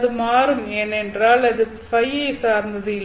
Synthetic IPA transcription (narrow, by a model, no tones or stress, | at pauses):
ðɯmaːɾɯmeːnɛndraːlɐðɯ | fɐjɐɪsaːɾnd̪ɐðɯɪl